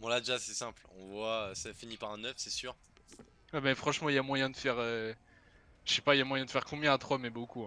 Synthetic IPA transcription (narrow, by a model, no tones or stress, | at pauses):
bɔ̃lad̪eʒasɛsɛ̃plɔ̃vwaøsafinipaʁɛ̃nœfsɛsyʁ | wɛmɛfχɑ̃ʃmɑ̃ilamwajɛ̃d̪əfɛʁø | ʒəʃɛpailjamwajɛ̃d̪əfɛʁkɔ̃bjɛ̃at̪χɔmɛbokuɛ̃